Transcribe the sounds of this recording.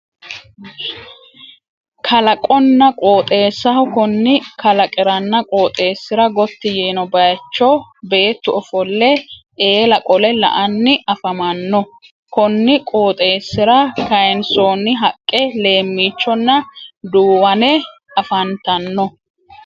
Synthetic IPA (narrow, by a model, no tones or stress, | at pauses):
kʰɐlɐkʼɔnːɐkʼoːt̪ʼe̞ːsːɐhʊkʊnːɪkɐlɐkʼɪɾɐnːɐkʼo̞ːt̪ʼe̞ːsːɪɾɐɡɔt̪ːɪjeːnɔbɐjt͡ʃːɔbe̞ːt̪ːʊɔfɔlːɛʔe̞ːlɐkʼɔlɛlɐ̰ʔɐnːɪʔɐfɐmɐnːɔ | kʊnːɪkʼoːt̪ʼe̞ːsːɪɾɐkɐjɛnsoːnɪɦɐkʼːɛle̞ːmːiːt͡ʃːɔnːɐd̪uːwɐnɛ | ɐfɐnt̪ɐnːɔ